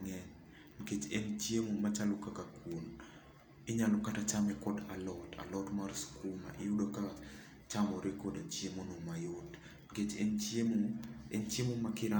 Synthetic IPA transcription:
ŋɛn | ŋket͡ʃent͡ʃjemomat͡ʃalɔkakakon | ɪɲalɔkatat͡ʃamɛkɔdalɔta̰lɔtmarskuma̰ʔɪjudoka | t͡ʃamɔɾekɔdat͡ʃjemonomajod | ɡet͡ʃenemoent͡ʃemomakɪɾa

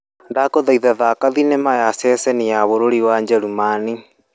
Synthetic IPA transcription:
ndakoðaiðaðaːkaðinemajasɛːsɛniaβoɾoɾiwaɲd͡ʒɛɾumani

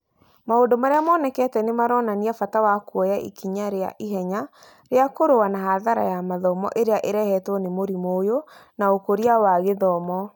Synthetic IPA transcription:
maondomaɾeamɔːnɛkɛtɛnemaɾɔːnaniafatawakwɔjaʔḭkiɲaɾea̰ʔiɦɛɲa | ɾeakoɾowanaɦaðaɾa̰jamaðɔmɔ̰ʔeɾeaʔeɾɛhɛtwɔnemoɾimoːjonaokoɾiawaɣeðɔmɔ

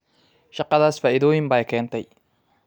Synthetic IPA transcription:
ʃɑqɑðaːsfaːʔɪðɔːjɪmbaːjkʰɛːnt̪ʰɛj

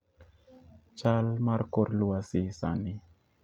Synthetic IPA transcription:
t͡ʃalmaɾkoɾluasisa̰ni

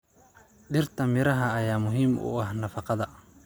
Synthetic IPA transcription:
ɗɪrt̪ʰɐmɪɾɐɦɐːjaːmʊɦiːmʔʊ̰ɐhnɐfɑqɑðɐ

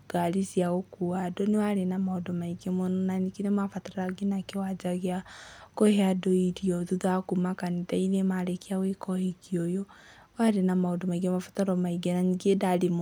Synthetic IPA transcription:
ɡ̥aɾisiaɣɔkuadɔnewaɾenamaɔdɔmaiɡemonɔnanikinemafataɾaɡinakewad͡ʒaɣeakɔheadɔidiɔðuðakumakanidainemaɾekiawekɔhikiɔjɔ | waɾenamaodɔmaiɡemafataɾɔmaiɡenaniɡedalim

